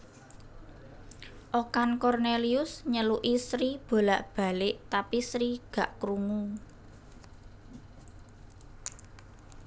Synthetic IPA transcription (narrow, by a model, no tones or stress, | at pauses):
ʔokankɔrneliʊsɲəluʔisɾib̥o̤laʔb̥a̤lɪʔt̪apisɾiɡ̥ä̤ʔkɾuŋu